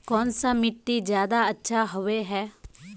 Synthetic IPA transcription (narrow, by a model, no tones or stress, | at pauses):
kɔːnsaːmɪʈːiːd͡ʒjaːd̪aːətːʃʰaːɦoʋeːɦɛː